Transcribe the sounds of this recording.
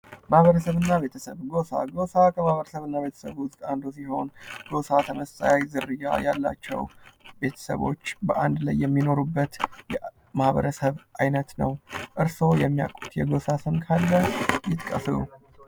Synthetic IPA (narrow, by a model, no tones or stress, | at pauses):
mahβəɾəsəβɨnːaβe̞t̪ʰəsəβɡo̞sa̰ɡo̞sakʰəmahβəɾəsəβɨnːaβe̞t̪ʰə̥səβwʊst̪ʼand̪osiho̞nɡ̥o̞sat̪ʰəməst̪ʼajajzɨɾːɨja̰ja̰lːa̰t͡ʃːɛ̰wbe̞t̪ʰə̥sə̰βo̞̰t͡ʃːbəʔand̪lajːɛmːino̞ɾubːət̪jɛ | mahβə̰ɾəsəβʔajnət̪nə̰wʔɨɾso̞jɛmːija̰kʼut̪jɛɡo̞sasɨmkʰalːəjɪt̪kʼə̰flṵ